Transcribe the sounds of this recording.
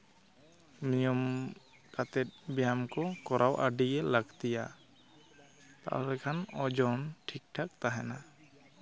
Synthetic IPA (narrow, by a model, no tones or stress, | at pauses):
mijɔm | kat̪ɛt̪̚bjamkɔkɔɾʔawʔaɖiɛlaɡt̪ija | t̪a̰ʔlɛkʰanɔd͡ʒɔnʈʰik̚ʈʰak̚t̪aɦɛna